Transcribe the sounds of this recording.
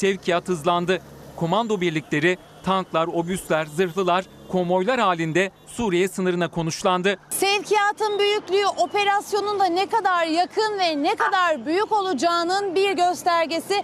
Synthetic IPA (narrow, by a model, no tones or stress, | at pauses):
sɛvcʰijat̪hɯzlˠand̪ɯ | kʰo̞mand̪o̞biɾlʲicʲlʲe̞ɾi | t̪ʰanklˠaɾo̞byst̪lʲæɾzɯɾɦlˠɯlˠaɾ̥ | kʰo̞mo̞jlˠaɾhaːlʲind̪ɛ | suːɾijɛsɯnɯɾɯnakʰo̞nuʃlˠand̪ɯsɛvcʰijaːt̪ʰɯnbyjycʲlʲyyʔo̞pe̞ɾasjo̞nund̪anekad̪aɾjakʰɯnvɛnekad̪aɾbyjyco̞lˠud͡ʒaːnɯnbiɾɟø̞st̪ʰæɾɟesɪ